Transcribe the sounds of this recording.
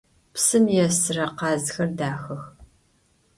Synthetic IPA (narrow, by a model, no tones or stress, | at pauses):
psɨmjɛsɨrɐqɑːzxɐrdaːxɐx